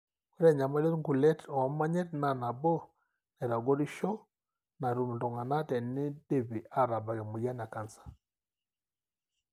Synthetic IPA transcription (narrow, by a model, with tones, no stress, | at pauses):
u˦ɾɛ˦ɲa˨ma˦lɛ˦ɾŋɡu˨lɛ˦tɔ˨a˨˦ma˦ɲɛ˦tna˨na˨bɔ˦ | nɛ˨ɾa˨ɡɔ˦ɾi˦ʃɔ˦ | na˨ɾu˨m˨dɔ˨ŋɡa˨na˦tɛ˨nɪ˦de˦˨βi˨ʔa˨ɾa˨ba˨ɣɛ˨mu˨ja˦na˨ka˨nsḁ˨